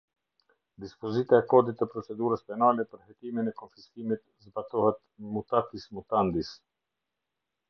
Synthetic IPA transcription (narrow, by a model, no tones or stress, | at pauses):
d̪ispɔzit̪aɛkɔd̪it̪ːɛpɾɔt͡sɛd̪uɾəspɛnalɛpəɾhɛt̪iminɛkɔnfiskimit̪ | zbat̪ɔhɛt̪mut̪afismut̪and̪is